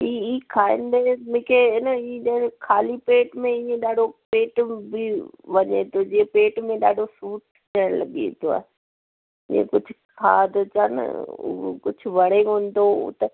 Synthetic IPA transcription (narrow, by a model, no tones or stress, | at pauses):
iːiːkʰaːɪ̃nd̪emʊ̃ɦkʰenəiẽɗkʰaːlipeːʈmẽiːẽɗaːɖʱopeːʈbɪʋɐɲḛt̪od͡ʑiẽpeːʈmẽɗaːɖʱosuːʈ̚ | t̪ʰɐəɽ̃lɐ̰ɠiḛ̃t̪oa̰ːɦe | ɪḛ̃kʊd͡ʑʱʊkʰaːd̪t͡ɕɐn̰ʊ̰kʊd͡ʑʰʱʊʋɐɽeɦũːn̆d̪oʊ̰t̪ɐ